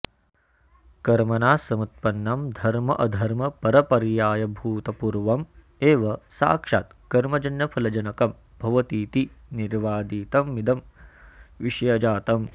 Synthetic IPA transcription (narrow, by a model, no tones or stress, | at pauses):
kɐɾmɐnaːsɐmut̪̚pɐnːɐmd̪ʱɐɾmɐʔɐd̪ʱɐɾmɐpɐɾɐpɐɾjaːjɐbʱuːt̪ɐpuɾʋɐm | eːʋɐsa̰ːkʂa̰ːt̪kɐɾmɐd͡ʒɐnjɐpʰɐlɐd͡ʒɐnɐkɐm | b̥ʱɐʋɐt̪iːt̪iniɾʋaːd̪iːt̪ɐmːid̪ɐm | ʋiʂjɐd͡ʒaːt̪ɐm